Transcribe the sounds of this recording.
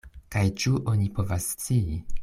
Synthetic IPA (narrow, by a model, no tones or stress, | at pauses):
kajt͡ʃuʔo̞nipo̞vasːt͡sii